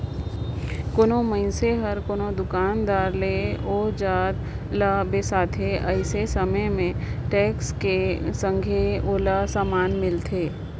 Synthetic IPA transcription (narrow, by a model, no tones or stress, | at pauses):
koːnõməɪnseɦəɾkoːnod̪ʊkaːnd̪aːɾleoːd͡ʒaːd̪ | labesaːt̪ʰeʔəɪsesəməjmẽʈɛːkskesə̃ŋɡʱeoːlasaːmaːnmɪlt̪ʰeː